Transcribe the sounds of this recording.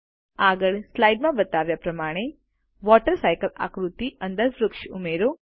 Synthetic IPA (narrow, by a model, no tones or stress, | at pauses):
aːɡəɭslajɖmãbɐt̪aːʋjapɾɐmaːɽ̃e | ʋɔːʈəɾsajkəla̰kɾut̪iənd̪əɾʋɾʊkʃumeːɾo